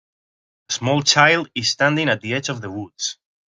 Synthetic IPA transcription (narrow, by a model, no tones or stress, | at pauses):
əsmɔlˠt͡ʃʰaɪlˠdɪz̥stæ̃ndɪ̃ŋat̪̚ðiɛd͡ʒɔvðəwudz̥